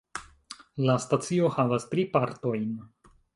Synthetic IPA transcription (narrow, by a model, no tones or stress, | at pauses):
lastat͡sio̞havastɾipaɾto̞jn